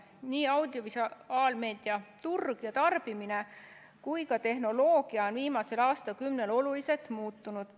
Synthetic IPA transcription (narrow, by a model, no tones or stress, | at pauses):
niːɑwd̪̥io̞visɑːlme̞ːd̪̥iɑt̪urɡ̥jɑt̪ɑrb̥imine | kujkɑt̪e̞ɦno̞lo̞ːɡ̥iɑonviːmɑse̞lɑːst̪ɑkymne̞lo̞lulise̞lt̪ˑmuːt̪ːunud̪̥